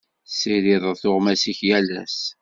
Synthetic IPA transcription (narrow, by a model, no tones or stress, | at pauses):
siɾiðˤəðθʊʁmæsiçjælæ̰s